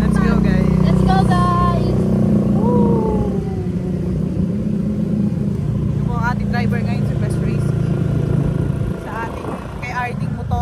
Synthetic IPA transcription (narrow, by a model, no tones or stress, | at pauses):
lɛt̪sɡoɡajslɛt̪sɡowɡajsʔo | jʊŋoɐŋʔaːt̪ɪŋd̪ɾajbɛɹŋɐjonsɛpɛsɹejski | sɐʔaːt̪ɪŋ | kɐjʔaɹt̪ɪŋbʊt̪o